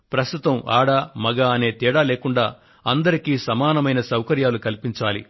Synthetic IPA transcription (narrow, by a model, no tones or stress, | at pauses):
pɾɐst̪ut̪ɐma̰ːɽaːmɐɡaːɐne̞ːt̪iːɽaːleːkuɳɖaː | ɐnd̪ɐɾikiːsɐmaːnɐmɐjnɐsɐwkɐɾjaːlukɐlipiɲt͡ʃaːlḭ